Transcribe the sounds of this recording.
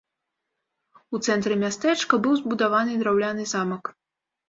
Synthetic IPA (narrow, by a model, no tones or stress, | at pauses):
ut̪sɛnt̪ɾɨmʲast̪ɛt͡ʂkɐbɨwzbud̪avanɨd̪ɾawlʲanɨzamɐk